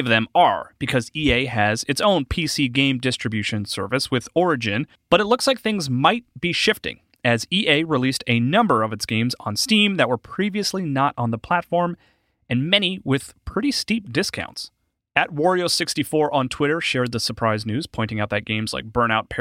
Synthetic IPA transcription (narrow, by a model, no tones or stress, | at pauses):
ʌvðɨ̃mə˞b̥ɨkʰʌzieɪɨzɨtsõʊ̃npʰisiɡẽɪ̃mdɪstɹ̥ɨbjʉʃɨ̃nsɜ̰˞vɨswɨðɔɹɨd͡ʒɨ̃n | b̥ʌɾɨtˡlˠʊkslaɪk̚θɪ̃ŋzmaɪt̚b̥iʃɪftɪ̰̃ŋ | ɨziʔeɪɹilistʰɨnʌ̃mbə˞ʌvɨtsɡ̥ẽɪ̃mzn̩stĩmðɨt̚wə˞pʰɹ̥iviɨslinəɾn̩ðəpʰl̥ætfɔɹm | ɨ̃nmɛñiwɪð̥pʰɹ̥ɪɾistip̚d̥ɪskʰã̰ʊ̃nts | ɨt̚wɔɹioʊsɪkstifɔɹʔə̃ntʰw̥ɪɾə˞ʃɛɹd̪̚ðəsə˞pʰɹ̥aɪznʉz̥pʰɔ̃ɪ̃nɪ̃ŋaʊt̪̚ðɨt̚ɡ̥ẽɪ̃mz̥la̰ɪk̚b̥ɜ̃˞ñaʊt̚pʰɛ